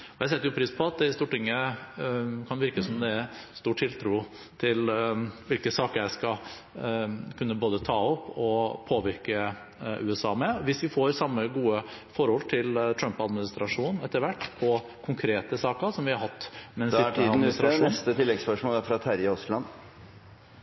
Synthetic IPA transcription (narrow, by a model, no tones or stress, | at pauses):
ɔjæɪsɛt̪ːəjʊpʰɾiːspʰɔɑt̪̚d̪ɛst̪uːʈɪŋːə | kʰɑnʋɪɾkəsɔmd̪ɛæɾst̪uːʈʰːɪlt̪ʰɾuː | t̪ʰɪlʋɪlkəsɑːkəɾjæɪskɑ | kʰʉnːəboːd̪ət̪ʰɑːɔpːɔpʰoːʋɪɾkə | ʔʉ̰ːɛsɑ̰ːmɛʋɪsʋɪfoːɾsɑmːəɡuːəfɔɾhɔlt̪ʰɪlt̪ʰɾœmpɑd̪mɪnɪst̪ɾɑʂuːnn̩ɛt̪ːəɾʋæʈːpʰɔ | kʰʊŋkʰɾeːt̪əsɑːkəsɔmʋɪhɑɾhɑt̪ːmɛnsɪd̪̩ssɾɑʂuɛst̪ət̪ʰɪlːɛɡspœʂmoːlæɾfɾɑt̪ʰæɾɪɔslɑnː